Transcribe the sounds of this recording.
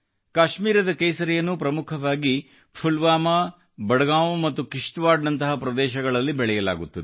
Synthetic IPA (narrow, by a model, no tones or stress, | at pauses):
kaːʃmiːɾɐd̪ɐkɐjsɐɾɛjɐnːupɾɐmukʰɐʋaːɡi | pʰulʋaːmɐ | bɐɽɐɡaːmumɐt̪ːukiʂʈʋaːɾɖnɐnt̪ɐɦɐpɾɐd̪ɛːʃɐɡɐɭɐlːibɛɭɛjɐla̰ːɡut̪ːɐd̪e